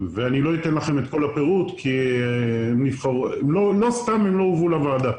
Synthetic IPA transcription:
veaniloit̪enlaχe̞me̞t̪ko̞lape̞ʁut̪kʰi | emnivχaʁulo̞lo̞st̪amemlo̞ovulavad̪a

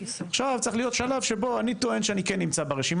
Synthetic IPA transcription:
aχʃavt͡saχlijo̞t̪ʃalavʃebo̞anit̪o̞e̞nʃeanikenːimt͡sabeʁeʃim

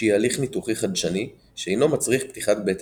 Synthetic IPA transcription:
jaliχnituχiχad̪ʃani | ʃeejno̞mat͡sʁiχpt̪iχat̪̚bet̪

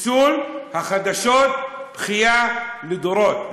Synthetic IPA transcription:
suːlhaχad̪aʃot̪̚b̥χijaled̪oɾot̪

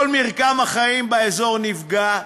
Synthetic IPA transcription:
lmiʁkamaχaimbeezo̞ʁnivɡa

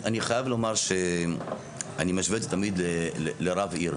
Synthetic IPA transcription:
ʔaniχajavlomaʁʃe | ʔanimaʃvet̪t̪amid̪leleleɾaviɾ

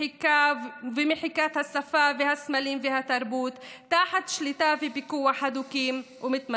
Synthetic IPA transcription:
kavemɪħikat̪hasafavehasmaliːmveɦat̪aɾbuːt̪ːaːħat̪ʃlit̪avibikuːaħad̪ukiːm | umɪt̪ma

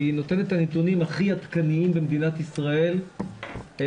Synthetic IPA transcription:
inot̪e̞net̪anet̪unimaχiat̪kaniimbemd̪inat̪isʁae̞l | e

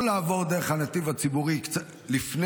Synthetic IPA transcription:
laːvo̞ʁd̪e̞eχanat̪ivat͡sibuʁikt͡sa | lifn

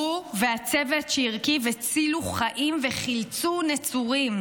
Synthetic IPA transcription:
uveat͡sevetʃeiʁkivet͡siluχaʔimveχilt͡sunet͡suʁim

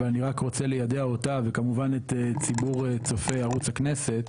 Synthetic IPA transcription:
veaniʁakʁo̞t͡selejad̪eaotavekamuvanet̪et͡sibuʁet͡so̞fejaʁut͡shaknese̞t

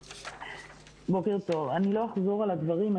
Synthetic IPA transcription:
bo̞ke̞ʁt̪o̞vanilo̞aχzo̞ʁalad̪vaʁima

